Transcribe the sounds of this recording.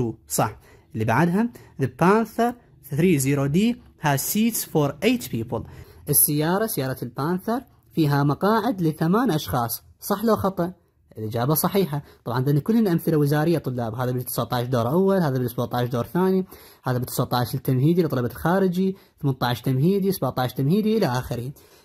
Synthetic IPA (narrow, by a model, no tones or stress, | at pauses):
usˤɑħ | ʔlːibaʕad̪ɦamðəpːaːnθəɾˤ | θɾiːziːɾod̪iː | hasiːt̪sfoɾˤʔeːt̪piːpəlʔɪsːɪjːɑːɾˤɑsɪjɑːɾˤɑlpaːnθəɾˤ | fiːɦamɑqɑːʕɪd̪lɪθamaːnʔɑʃxɑːsˤ | sˤɑħlowxɑt̪ˤɑʔ | ʔʔlʔɪd͡ʒaːbasˤɑħiːħat̪ˤɑbʕɑnd̪anːakʊlːhɪnʔamθɪlawɪzaːɾɪjːat̪ˤʊlːaːbɦaːðabɪt̪ːɪ̥saʕt̪ˤɑʕʃd̪oːɾˤʔawːalhaːðabɪlsbuʕt̪ˤɑʕʃd̪oːɾθaːni | haːðabɪt̪ːɪsaʕt̪ˤɑʕʃt̪ːamɦiːd̪ilt̪ˤɑlɑbalxaːɾɪd͡ʒi | θmant̪ˤɑʕʃt̪amɦiːd̪isabaʕt̪ˤɑʕʃt̪amhiːd̪iʔɪlaʔaːxɪɾhi